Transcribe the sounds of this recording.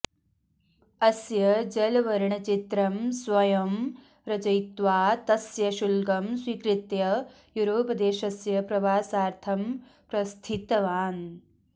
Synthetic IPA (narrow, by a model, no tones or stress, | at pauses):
ɐsjɐd͡ʒɐlʋɐɾɳɐt͡ʃit̪ɾɐmsʋɐjɐm | ɾɐt͡ʃɐjt̪ʋaːt̪ɐsjɐʃulɡɐmswikɾɪt̪jɐ | juɾoːpɐd̪eːʃɐsjɐpɾɐʋaːsaːɾt̪ʰɐm | pɾɐst̪ʰit̪ɐʋaːn